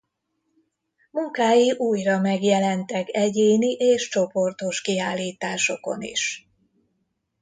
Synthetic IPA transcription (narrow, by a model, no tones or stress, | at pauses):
muŋkaːjiʔuːjrɒmɛɡjɛlɛnt̪ɛkɛɟeːniʔeːʃt͡ʃo̞po̞rt̪o̞ʃkiaːlːiːt̪aːʃo̞ko̞̰nḭʃ